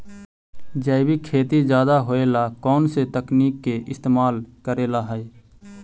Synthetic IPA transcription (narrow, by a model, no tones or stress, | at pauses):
d͡ʒəɪbʱikʰeːt̪id͡ʒjaːd̪aɦoːeːlakɔːnset̪əkniːkːeʔɪst̪eːmaːlkəɾeːlaɦɛ